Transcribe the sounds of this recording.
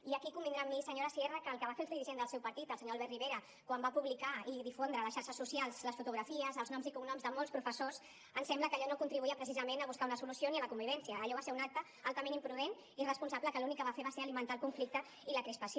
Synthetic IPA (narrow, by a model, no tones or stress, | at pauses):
iəkikumbindɾamːisəɲoɾəsierəkəːlˠkəβafelˠzðiɾiʒend̪əlˠsɛwpɐɾt̪it̪əlˠsɲoalβɛrriβeɾə | kwambapuβlikaiðifond̪ɾələsʃaɾʃəsːusijalˠzləsfut̪uɣɾafiəzəlˠznɔmzikunɔmzðəmɔlˠspɾufəsoz | ənsɛmbləkəʎɔnokunt̪ɾiβuiəpɾəs̬izəmenəβuskaunəsulusioniələkumbiβ̞ɛnsiəːʎɔβaseunak̚t̪ə | alˠt̪əmẽnimpɾuðen | irəspunsabləkəlunikːəβ̞afeβaseɾəlimənt̪aəlˠkuɱflik̚t̪ə | iləkɾispəso